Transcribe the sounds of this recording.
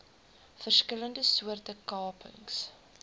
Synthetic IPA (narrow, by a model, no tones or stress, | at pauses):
fərskələndəsuərtəkɑːpʰə̰ŋs